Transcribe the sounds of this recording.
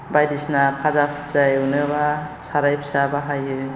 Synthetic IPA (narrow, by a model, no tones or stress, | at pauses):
bajdisnapʰazapʰɯpzajwnɯbasaɾajpʰsabaɦajɯ